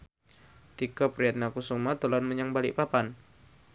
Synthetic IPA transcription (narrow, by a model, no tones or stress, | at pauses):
t̪ikɔpɾiat̪̚nakusumat̪olanməɲaŋbalḭʔpapan